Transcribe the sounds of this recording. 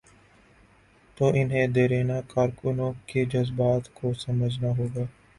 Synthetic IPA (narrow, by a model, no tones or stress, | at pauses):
t̪oːʔɪnɦẽːd̪eːɾeːnaːkaːɾkʊnõːked͡ʒəzbaːt̪koːsəməd͡ʒnaːɦoːɡaː